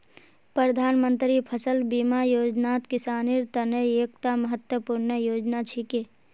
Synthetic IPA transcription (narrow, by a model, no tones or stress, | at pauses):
pɾəd̪ʱaːnmənt̪ɾipʰəsəlbiːmajoːd͡ʒnaːt̪kɪsaːniːɾt̪ənəeːk̚t̪aməɦət̪wəpuɾnəjoːd͡ʒnat͡ʃʰike